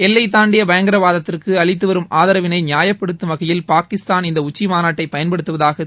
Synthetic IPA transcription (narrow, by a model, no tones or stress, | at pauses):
ɛlːɐɪt̪̬ːaːɳɖɪjɐbɐjɐŋɡɐɾɐʋaːðɐt̪ːɪrkɯɐɭɪt̪̬ːɯʋɐɾɯmʔaːðɐɾɐʋɪnɐɪnɪjaːjɐpːɐɽɯt̪ːɯmɐɣɐjɪlpaːkɪst̪aːnɪnd̪ɐʊt͡ʃːimaːnaːʈːɐɪpːɐjɐnpɐɽɯt̪ːɯʋɐðaːɣɐ